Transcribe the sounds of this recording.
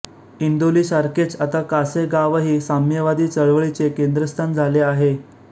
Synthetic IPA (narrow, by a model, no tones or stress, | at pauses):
ind̪oliːsaɾket͡sat̪akaseɡaʋɦiːsamjəʋad̪iːt͡səɭʋəɭit͡sekend̪ɾəst̪ʰand͡zʱaleaɦe